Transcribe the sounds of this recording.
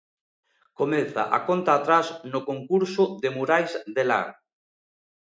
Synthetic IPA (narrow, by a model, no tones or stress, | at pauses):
komeθa̰ʔa̰kont̪aːt̪ɾasnʊkoŋkuɾsʊðemuɾajzdela̰ɾ